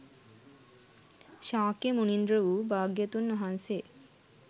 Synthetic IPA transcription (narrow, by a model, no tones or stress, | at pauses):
ʃaːkemunind̪ɾoubaːɡjet̪unːoɦanse